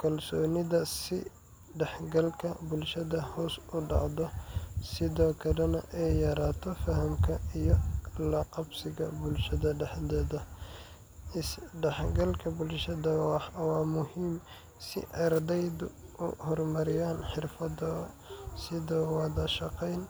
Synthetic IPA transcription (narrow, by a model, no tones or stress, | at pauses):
kʰɐlsɔːnɪðɐsɪ | ɖɛħɡɐlkʰɐbʊlʃɐðɐhɔːsʊɖɑ̰ʕd̪ɔsɪðɔːkʰɐlɐnɐʔɛjːɐɾaːt̪ʰɔfɐɦɐmkʰɐijɔlɐqɑbsɪɣɐbʊlʃɐðɐɖɛħd̪ɛːðɐ | ɪsɖɛħɡɐlkʰɐbʊlʃɐðɐwɑħwɑːmʊɦiːm | sɪ̰ʔɑrd̪ɛjd̪ʔʊ̰hɔrmɐɾɪjaːnħɪrfɐdɔsɪðɔːwɑðɐʃɑqɛjn